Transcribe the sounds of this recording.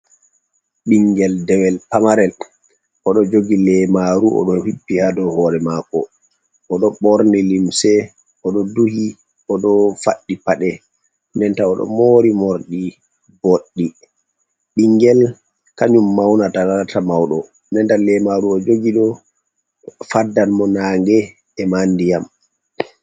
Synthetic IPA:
ɓiŋɡɛldɛwɛlpamaɾɛl | ʔɔɗɔd͡ʒoɡilɛmaɾuʔɔ̰ɗɔhibːihadɔhɔːɾɛmakɔ̰ | ʔɔɗɔɓɔɾnilimsɛ | ɔɗɔduhi | ɔɗɔfaɗːipaɗɛ | nɛntaɔɗɔ̰moːɾimoɾɗi | boɗːi | ɓiŋɡɛl | kaɲumːawnatalaltʰamawɗɔ | nɛntalɛmaɾuɔd͡ʒoɡiɗɔ | fadːanmɔnaːŋɡɛ | ɛmandijam

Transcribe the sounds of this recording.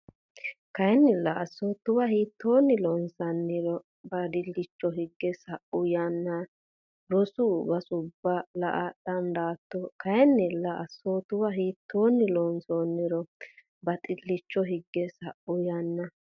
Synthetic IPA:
kɐjɛnːɪlɐʔɐsːot̪ːʊwɐhiːt̪ːoːnːɪlɔnsɐnːɪɾɔ | bɐd̪ɪlːɪt͡ʃːɔɦɪɡːɛsɐʔʊjanːɐ | ɾɔsʊbɐsʊbːɐlɐʔɐɗɐnd̪aːt̪ːɔkɐjɛnːɪlɐʔɐsːoːt̪ʊwɐɦiːt̪ʰːoːnːɪlɔnsoːnːɪɾɔ | bɐt̪ʼɪlːɪt͡ʃːɔɦɪɡːɛsɐʔʊjanːɐ

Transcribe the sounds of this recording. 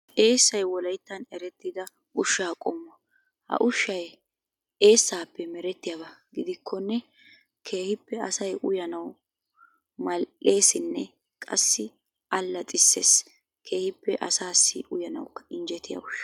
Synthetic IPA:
ʔe̞ːsːɐjwɔlɐjt̪ːɐnɛɾɛt̪ːɪd̪ɐ | ʔʊʃːaːkʼɔmːɐ | hɐ̰ʔʊʃːɐj | e̞ːsːaːpːɛmɛɾɛt̪ːɪjɐbɐɡɪd̪ɪkʰːɔnːɛ | kʰe̞ːhɪpːɛɐsɐjʔʊjɐnɐw | mɐlʔe̞ːsɪnːɛ | kʼɐ̰sːɪ | ʔɐlːɐt͡sʼɪsːeːs | kʰe̞ːhɪpːɛʔɐsaːsːɪ̰ʊjɐnɐ̰wʊkːɐ̥ɪnd͡ʒɛt̪ːɪjɐ̰ʊʃɐ̥

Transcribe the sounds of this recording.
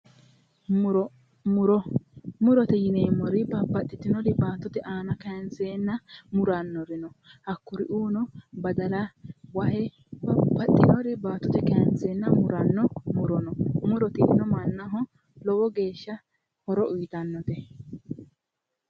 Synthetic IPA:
ɾɔ | ʊɾɔmʊɾɔt̪ɛjɪneːmːɔɾɪbɐbɐt̪ʼːɪt̪ːɪnɔɾɪbaːt̪ːɔt̪ɛʔaːnɐkɛnseːnːɐmʊɾanːɔɾɪnɔhɐkːʊɾɪʔuːnɔbɐd̪ɐlawɐhɛ | bɐbɐt̪ʼːɪnɔɾɪbaːt̪ːɔt̪ɛkɛɐnsenːɐmʊɾɐnːɔmʊɾɔnɔmʊɾɔt̪ɪ̰nɔmɐnːɐɦɔ | lɔwɔɡe̞ːʃːɐ | hɔɾɔʔuːt̪ɐnːɔt̪ɛ

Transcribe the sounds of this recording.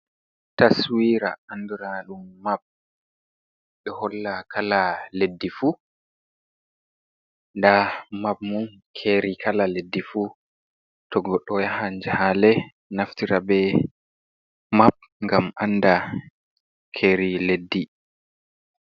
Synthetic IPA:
taswiɾa̰anduɾaɗumːab̚ | ɓɛhɔlːakʰalaledːifu | ndamab̚mun | kʰeɾikʰalaledːifu | tɔɡɔɗːɔjahand͡ʒɛhalɛ | naftiɾabɛ | map̚ | ŋɡamanda | kʰeːɾiledːi

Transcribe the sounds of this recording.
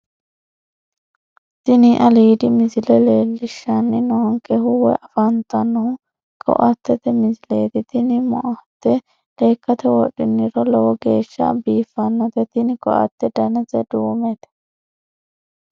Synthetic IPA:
t̪ɪnɪʔɐliːd̪ɪmɪzɪlɛleːlːɪʃːɐnːɪnoːŋkɛhʊwɛ̰ʔɐfɐnt̪ɐnːɔhʊ | kʰɔ̰ʔɐt̪ːɛt̪ɛmɪzɪleːt̪ɪt̪ɪnɪmɔ̰ʔɐt̪ːɛ | le̞ːkːɐt̪ɛwɔɗɪnːɪɾɔlɔwɔɡe̞ːʃːɐ̰biːfːɐnːɐt̪ɛt̪ɪnɪkɔ̰ʔɐ̰t̪ːɛd̪ɐnɛzɛd̪uːmɛt̪ɛ̥

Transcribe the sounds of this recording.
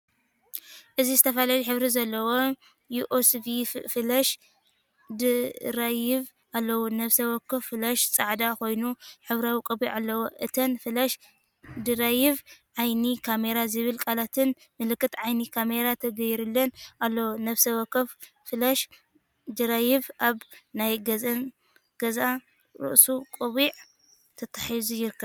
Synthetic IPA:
ʔɨzizɨt̪ʰɐfɐlaliħɨβɾizɐlːɐwo | juʔosvifɨlɐʃ | d̪ɨɾajɪβ | ʔalːɐwonɐβsɐwɐkːɨffɨlɐʃt͡sʼaʕd̪akʰo̞jnuħɨβɾawikʼɨbiʔalːɐwoʔɨt̪ʰɐnfɨlɐʃ | d̪ɨɾajɪβʕajnikʰame̞ɾazɨβɨlkʼalat̪ʰɨn | mɨlɨkːɨt̪ʕajnikʰameɾat̪ʰɐɡɐjɾɨlːɐnʔalːɐwonɐβsɐwɐkːɐf | fɨlaʃ | d̪ɨɾajɪvʔaβnajɡɐzɐn | ɡ̥ɐzʔa | ɾɨ̰ʔsukʼɨβiʕ | t̪ʰɐt̪ʰːḁħizujɪɾɨkʰːɐβ

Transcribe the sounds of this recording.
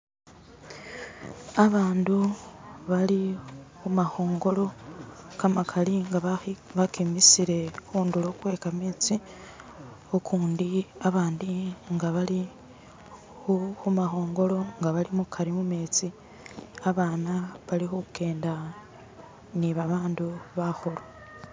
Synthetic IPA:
aβaːnduβalihumaho̞ːŋɡo̞lo̞kamakʰaliŋɡaβakimisiɾe̞huːndulokwe̞ːkameːt͡si | okʰuːndiaβaːndiŋɡaβali | xuxumaxo̞ːŋɡo̞lo̞ŋɡaβalimukʰaɾimumeːt͡si | aβaːnaβalixuke̞ːnda | niβaβaːnduβaxoɾo

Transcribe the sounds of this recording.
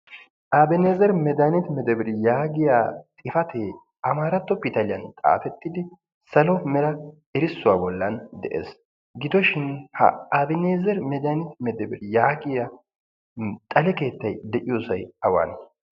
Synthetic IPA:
ʔabɛneːzɛɾmɛd̪anɪt̪mɛd̪ɛbɪɾɪjaːɡɪjaːt̪ʼɪfɐt̪ʰe | ɐmaːɾɐt̪ːɔpɪt̪ɐlɪjɐnt̪ʼa̰ːfɛt̪ːɪd̪ɪ | sɐlɔmɛɾɐ | ɪɾɪsːʊwaːbɔlːɐnd̪ɛ̰ʔḛːs | ɡɪd̪ɔʃɪnhɐ̰aːbɛneːzɛɾmɛd̪anɪt̪mɛd̪ɛbɪɾɪjaːɡɪja | t̪ʼɐlɛke̞ːt̪ːɐjd̪ɛʔɪjoːsɐjɐwa̰ːn

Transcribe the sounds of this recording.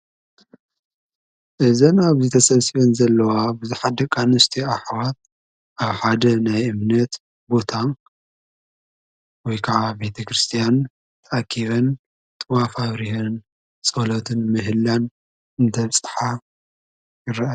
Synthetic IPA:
ʔɨzɐnaβzet̪ʰɐsɐβsiβɐnzɐlːɐwabɨziħad̪ɐkʼanɨst̪ʰiaħwat̪̚ | ʔaβħad̪ɐnajɨmnɐt̪ | bo̞t̪ʰan | wɔjkʰaʕabe̞t̪ʰɐkɾɨst̪ʰijan | t̪ʰɐʔakʰːiβɐn | t̪ʼɨwafaβɾihɐn | t͡sʼɐlot̪ʰɨnmɨɦɨlːan | ɨnt̪ʰɐβsʼɨ̥ħa | jɪɾɐʔa

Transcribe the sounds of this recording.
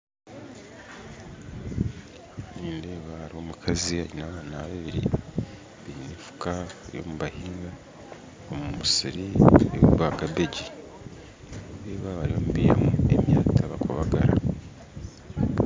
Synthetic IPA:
niːmbeːβaaɾio̞mukʰaziaɲinaβaːnaβaβiɾḭ | βiɲinifu̥kaβaɾḭβo̰muβahiːŋɡa | omummusiɾieβuβaɡabeɟi | βiβeːβaβaɾiβomuβiːja̰muḛmjaːtʰaβakoβaɡa̰ɾa

